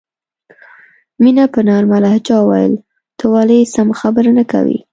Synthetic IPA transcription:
minapənɑɾmalaht͡ʃɑwajə̰l | t̪ʰəwɑlesamxabəɾnaka̰wḭ

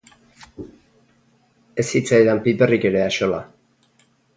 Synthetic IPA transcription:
esit͡sajðampiperikeɾeaʃola̰

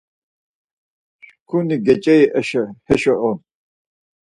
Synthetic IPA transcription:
ʃkʰuniɡɛt͡ʃʼɛiʔɛʃɛhɛʃɔʔɔn

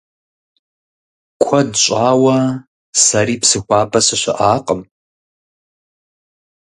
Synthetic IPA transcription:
kʷʰɐdɕʷʼaːwɐ | saɾiːpsɨxʷaːpʰʼɐsɨɕʷɐ̰ʔaːqʼəm

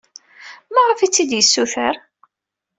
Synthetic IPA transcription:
mæʁəfit͡sːid̪jəsːuθəɾ

